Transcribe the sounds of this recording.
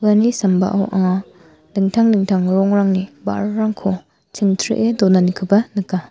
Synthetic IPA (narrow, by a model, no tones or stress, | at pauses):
anisɐmba̰ʔawʔa̰ŋa | lɯŋtʰaŋnɯŋtʰaŋɾɔŋɾaŋniba̰ɾɾaŋkʰo | t͡ʃʰiŋtʰɾḭʔedɔnanikʰɯbɐnɯka